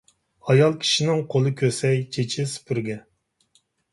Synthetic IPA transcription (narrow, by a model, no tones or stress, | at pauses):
ɑjɑlˠkʲʰi̥ʃinɪŋqʰolˠɨkʲʰøsɛjt͡ʃʰet͡ʃʰɪspʰyɾɡʲɛ